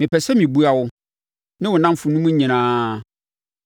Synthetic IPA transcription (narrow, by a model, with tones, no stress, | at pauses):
mɪ̃˨pʰɛ˨sɛ˦mĩ˨bu˦a˨wʊ˦ | nɪ̃˦wʊ˨nã˦m˦fʊ˨nũ˦mũ˦ɲĩ˨nãː˦